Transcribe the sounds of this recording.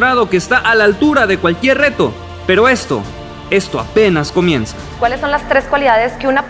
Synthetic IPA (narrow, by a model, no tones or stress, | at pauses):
ɾað̞o̞keːst̪aʔalaːlt̪uɾaðe̞kwalkje̞rre̞t̪o̞̰ | pe̞ɾo̞e̞st̪o̞̰ | e̞st̪o̞a̰pe̞nasko̞mjẽ̞nsḁkwalesːo̞nlast̪ɾe̞skwaliðaðeskeuna